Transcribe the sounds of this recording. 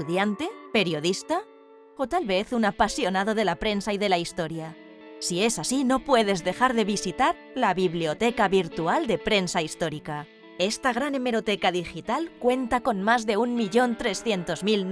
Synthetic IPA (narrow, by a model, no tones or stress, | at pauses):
uðjant̪e̞pe̞ɾjo̞ðist̪a | o̞t̪alβe̞θunapasjo̞naðo̞ðe̞lapɾe̞nsaiðe̞laist̪o̞ɾja | sie̞sasino̞pwe̞ðe̞zðe̞xaɾðe̞βisit̪aɾ | laβiβlio̞t̪ekaβiɾt̪uald̪e̞pɾe̞nsaist̪o̞ɾika | e̞st̪aɣ̞ɾane̞me̞ɾo̞t̪ekaðixit̪alkwe̞nt̪ako̞nmazðe̞unmiʎo̞nt̪ɾe̞sθje̞nt̪o̞zmil